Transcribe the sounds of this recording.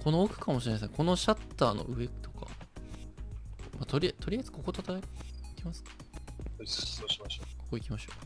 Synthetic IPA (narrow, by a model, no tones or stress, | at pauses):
kʰo̞noːkɯ̟̥kamoɕiɾe̞naes̬ẽ̞ŋko̞no̞ɕat̪ːaːno̞̰ʔɯ̟e̞t̪o̞ka̰ | mat̪o̞ɾʲiat̪o̞ɾʲiazɨ̥ko̞ko̞t̪at̪aikʲimasɨ̥kḁ | aɕoko̞̥ko̞ikʲimaɕo̞ː